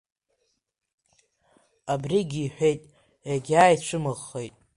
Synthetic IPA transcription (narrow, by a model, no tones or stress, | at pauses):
abriɡʲiːħʷᶣe̞jtʼ | jaɡʲaːjit͡ʃʷʰɨmɨʁːejtʼ